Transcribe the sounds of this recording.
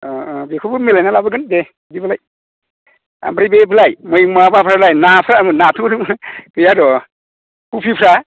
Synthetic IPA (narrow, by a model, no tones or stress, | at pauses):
ɔbekʰubɯmelanalabɯɡɯnde | dibalaj | a̰mbɾibebɯlajmɯjŋmabapʰɾalajnapʰɾamɯnatʰudukɯjadɔ | kupʰipʰɾa